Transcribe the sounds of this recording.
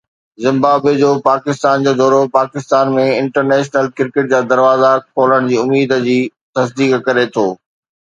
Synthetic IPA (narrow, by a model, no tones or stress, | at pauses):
zɪ̃mbaːbed͡ʑoːpaːkɪst̪aːnd͡ʑoːd̪ɔːɾopaːkɪst̪aːnmẽɪ̃ɳʈəɾnɛːʃnəlkɪɾkɪʈ̚d͡ʑaːd̪ɐɾʋaːzakʰoːləɽ̃d͡ʑiːʊmiːd̪d͡ʑiːt̪ɐsd̪iːkkɐɾet̪ʰoː